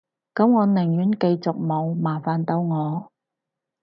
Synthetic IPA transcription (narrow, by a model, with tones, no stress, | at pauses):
kɐ˨˥mŋɔː˨˧nɪ˨˩ŋjyː˨˥nkɐ˧jt͡sʊ˨k̚mo˨˧wmaː˨˩faː˨nt̪o˨˥wŋɔː˨˧